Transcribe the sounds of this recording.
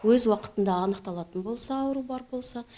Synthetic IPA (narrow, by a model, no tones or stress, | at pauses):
wɵzwɑqə̥t̪ənd̪ɑːnəqt̪ɑlˠɑt̪ənbo̞lˠsɑːwəɾubɑɾbo̞lˠsɑ